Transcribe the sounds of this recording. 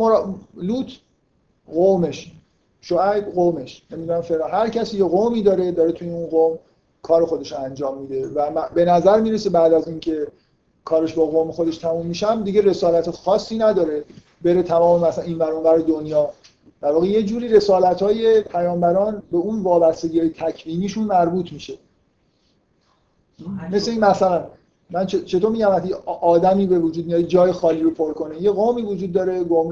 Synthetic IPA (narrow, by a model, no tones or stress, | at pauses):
moɾluːt̪ʰ | ɣome̞ʃ | ʃoæjɣomeʃnemid̪uːnæmfeɾɑːnɦæɾcʰæsiːjeɣomiːd̪ɒːɾe̞d̪ɒːɾet̪ʰujeunɡom | kʰɒːɾexo̞d̪e̞ʃoænd͡ʒɒːmːiːd̪e̞væmæbe̞næzæɾmiːɾesebæd̪æziːncʰe̞ | kʰɒːɾeʃbɒːɣomexo̞d̪eʃt̪ʰæmuːmːiʃæmd̪iɟe̞re̞sɒːlæt̪ʰexɒːsːiːnæd̪ɒːɾe̞ | be̞ɾet̪ʰæmɒːmemæsniːnvæɾonvæɾed̪onjɒː | d̪̥æɾvɒːɣe̞je̞d͡ʒuːɾiːɾe̞sɒːlæt̪ʰhɒːje̞pʰæjɒːmbæɾɒːnbe̞unvɒːbæst̪eɟiːɒːjet̪ʰæcʰviːniːʃunmæɾbuːt̪ʰmiːʃe | me̞sleiːnmæsælæn | mænt͡ʃt͡ʃʰe̞t̪oɾmiːɟæmæst̪ʰiʔɒːd̪æmiːbe̞vod͡ʒud̪mijɒjid͡ʒɒːjexɒːliːɾopʰoɾkʰo̞nejeɣoːmiːvod͡ʒuːd̪̚ːɒːɾeɡomɾ